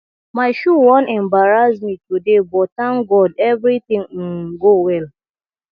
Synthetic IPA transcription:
maɪʃuwɔ̃nʔɛmbaɹazmitudebɔtãŋɡɔdɛvɾit̪ɪ̃ŋ̩ɡowɛl

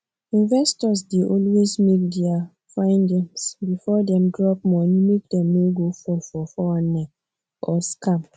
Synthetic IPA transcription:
ĩnvɛstɔs̬deʔɔlwesmek̚dɛa | fãɪ̃nɡɛ̃msbifɔdɛ̃mdɹɔp̚mɔ̃nimek̚dɛ̃mneɡofɔfɔfɔanɛ | ʔɔskãm

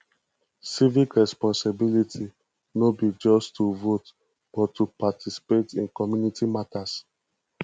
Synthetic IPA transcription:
sivikɹɛspɔ̃nsebilitʰi | nobid͡ʒɔstːuvot | b̥ɔtːupatʰisi̥petĩnkɔmjunitimatas

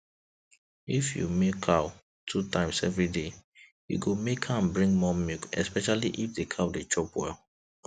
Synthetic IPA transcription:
ifjṵmekʰːaʊ | tʰutʰãɪ̃msɛvɹide | jṵɡomekʰãmbɹĩŋɡmɔmikɛ̰spɛʃaliʔifdekʰawdet͡ʃɔpwɛ̰l

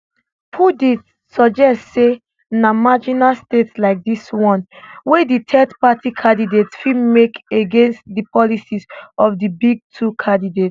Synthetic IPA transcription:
pʰudit | sɔd͡ʒɛstse | namad͡ʒinastetslaɪk̚diswɔ̃nweditʰɛtpatikʰãdidetsfimekeɡẽnstdipɔlisizɔfdibiɡ̚tʰukʰãndidet

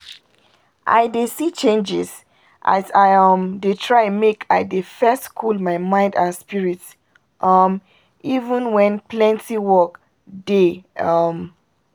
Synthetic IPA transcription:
ʔa̰ɪdesit͡ʃẽnd͡ʒɪ̰s | ʔa̰zaɪʌmdetʰɹaɪ̃nmekʰaɪdefɛstkʰulmaɪmãɪ̃ndãnspiɹit | ʔʌm | ivə̃nwɛ̃nplɛ̃ntʰiwɔk | deʌm

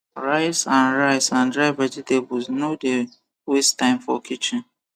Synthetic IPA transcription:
ɾaɪsãnɾaɪsãndɾaɪvad͡ʒetebusnode | westaɪ̃mfɔ̰kʰit͡ʃɪ̃n

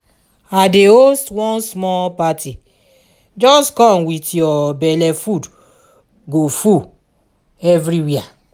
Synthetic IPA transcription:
adeostwɔ̃nsmɔpati | d͡ʒɔstkɔ̃nwitjɔbɛlɛfud | ɡofu | ɛvɾiwia

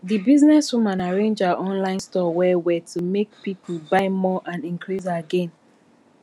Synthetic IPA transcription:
ðibiznɛswumãnaɹẽnd͡ʒaʔɔ̃nlãɪ̃nstɔwɛwɛtʰumek̚pipl̩baɪmɔʔãnĩŋkʰɹizaɡɛ̃n

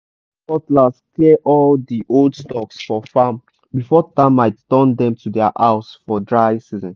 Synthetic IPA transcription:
pɔtlaskɛʔɔldiʔoldstɔksfɔfãm | bifɔtãmːaɪttɜ̃ndɛ̃mtʰudɛa̰ʔaʊsfɔdɹaɪsizɔ̃n

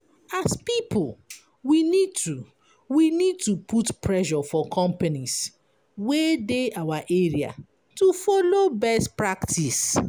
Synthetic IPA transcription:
aspipʰl | winid̚tu | winid̚tupʰutpɹɛʃɔfɔkʰɔ̃mpanis | wedeawaʔeɹia̰ | tufɔlobɛstpɹaktʰis

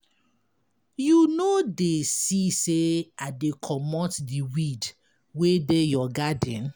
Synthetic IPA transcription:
junodesiseadekʰɔmɔtdiwid | wedejɔɡadɛ̃n

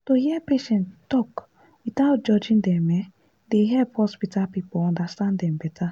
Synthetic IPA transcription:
tohiɛpeʃɛ̃nttɔk | wit̪aʊt̚d͡ʒɔd͡ʒĩndɛ̃mɛ | deɦɛlphɔspitalpipoɔ̃ndastãndɛ̃mbɛtʰa

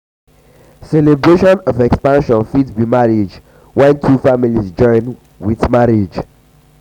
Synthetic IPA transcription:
sɛlɛbɹeʃɔ̃nɔvɛkspãnʃɔ̃nfitbimaɹid͡ʒ | wɛ̃ntʰufamilisd͡ʒɔ̃ɪ̃n | wiθmaɹid͡ʒ

